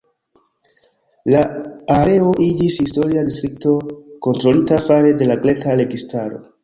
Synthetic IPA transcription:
laːɾe̞o̞ʔid͡ʒishisto̞ɾiadistɾik̚to̞ko̞ntɾo̞litafaɾe̞de̞laɡle̞kaɾe̞ɡistaɾo̞̰

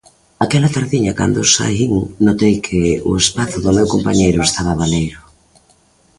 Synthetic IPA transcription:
akɛlɐt̪aɾðiɲɐka̰nd̪ʊsa̰iŋnot̪ejkʰɪʊespaθʊðʊmewkompaɲejɾʊest̪aβɐβanejɾʊ

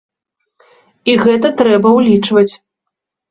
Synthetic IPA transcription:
iɣɛt̪ɐt̪ɾɛbɐwlʲit͡ʂvɐt͡sʲ

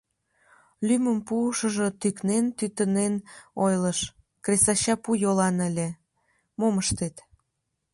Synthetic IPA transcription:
lyməmpuʃəʒot̪yknent̪yt̪ənenojləʃ | kresɑɕɑpujolɑnəlʲe | moməʃt̪et̪

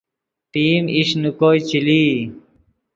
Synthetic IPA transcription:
ʈiːmiɕnukoːjt͡ɕiliː

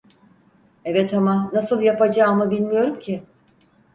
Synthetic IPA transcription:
evɛt̪ʰamanasɯlˠjapad͡ʒaːmɯbilʲmijo̞ɾumcʰɪ

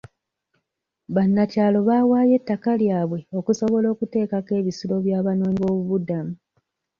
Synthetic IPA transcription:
βanːacaːlo̞βaːwaːje̞tːakaljaːβwe̞o̞kuso̞βo̞lo̞ːkute̞ːkake̞ːβisilo̞βjaːβanoːɲiβo̞ːβuβudamu

